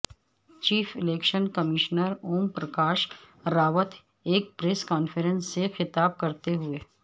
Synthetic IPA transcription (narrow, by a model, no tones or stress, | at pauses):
t͡ʃiːfʰɪleːkʃənkɐmɪʃnəɾoːmpɾɐkaːʃ | ɾaːʋət̪ʰ | eːk̚pɾeːskaːnfʰəɾə̃nsːexɪt̪aːb̚kɐɾt̪eɦʊeː